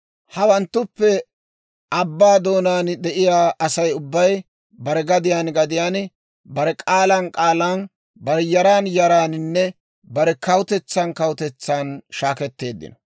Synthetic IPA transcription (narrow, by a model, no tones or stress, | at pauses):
hɐwɐnt̪ːʊpːɛ | ʔɐbːaːd̪o̞ːnaːnd̪ɛʔɪjaːʔɐsɐjʊbːɐj | bɐɾɛɡɐd̪ɪjaːnɡɐd̪ɪjaːn | bɐɾɛkʼaːlɐnkʼaːlaːn | bɐɾɛjɐɾaːnjɐɾaːnɪnːɛ | bɐɾɛkɐwʊt̪ɛt͡sːɐnkɐwʊt̪ɛt͡sːaːnʃaːkɛt̪ːe̞ːd̪ːɪ̰nɔ̥